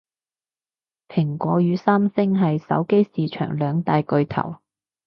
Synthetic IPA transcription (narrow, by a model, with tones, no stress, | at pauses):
pʰɪ˨˩ŋkʷɔː˨˥jyː˨˧saː˥msɪ˥ŋɦɐ˨jsɐ̰˨˥wke˥jsiː˨t͡ʃʰœ̰ː˨˩ŋlœː˨˧ŋt̪aː˨jkɵ˧ɥt̪ʰɐ̰˨˩w